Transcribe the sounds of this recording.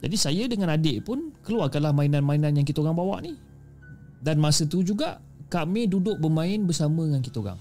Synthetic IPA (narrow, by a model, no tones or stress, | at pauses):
d͡ʒa̰disajədəŋãnadeʔpʊnkəluarkanlahmãinanmainanjaŋk̬it̪aoɡaŋbawa̰ʔni | danmasət̪ud͡ʒuɡaʔ | kamĩdudʊʔ̚bəmãɪnbəsamə̃əŋankit̪oɡa̰ŋ